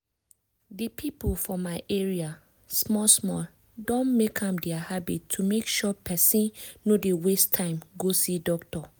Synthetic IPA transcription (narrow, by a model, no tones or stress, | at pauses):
dipʰipolfɔmaɪʔeɹia | smɔlsmɔl | dɔ̃nmekʰãmdɛahabitʰːumekʃɔpʰɛsĩnːodewestʰãɪ̃mɡosidɔktɔ